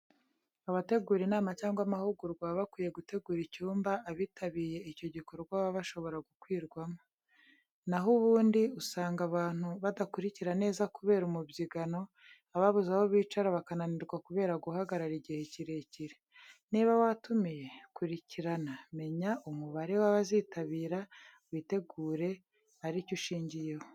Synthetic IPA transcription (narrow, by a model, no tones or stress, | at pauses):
aβate̞ɡuːɾinaːmacaːŋɡwamahuɡuɾɡwaβakwiːje̞ɡute̞ɡuːɾicuːmbaːβiːtʰaβije̞ico̞ɟiko̞ɾuɡwaβaβaʃo̞βo̞ɾaɡukwiːɾɡwamo | naɦuβuːndiusaːŋɡaβaːn̥huβadakuɾiciɾane̞ːzakuβe̞ːɾumubjiɡano̞ | aβaβuzaβoβiːt͡ʃaɾaβakananiɾɡwakuβe̞ːɾaɡuhaɡaɾaɾiɟihe̞ciɾe̞ciɾeniːβawatumije̞kuɾiciɾaname̞ɲaʔumuβaɾe̞waβaziːtaβiːɾa | wiːte̞ɡuːɾe̞ | aɾicuʃiːɲɟijeho